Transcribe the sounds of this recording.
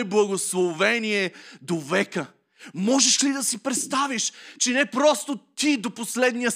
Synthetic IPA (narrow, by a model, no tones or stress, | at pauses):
blˠɐɡoslˠovɛniɛd̪ovɛkə | mɔʒɛʃlid̪ɐsipɾɛt̪st̪aviʃt͡ʃɛnɛpɾɔst̪ot̪id̪oposlɛd̪nijə